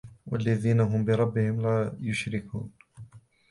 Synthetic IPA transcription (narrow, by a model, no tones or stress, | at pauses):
wa̰lːaðiːnaɦʊmbɪɾˤɑbːɪhɪmlaːjʊʃɾɪkʰṵːn